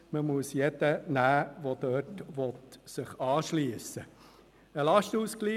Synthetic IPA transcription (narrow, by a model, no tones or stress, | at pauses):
məmuəsjɛd̥ənæːʋod̥̪œtʋɔt̪sɪχɑːʃliəsə | əlɑʃtuːskliː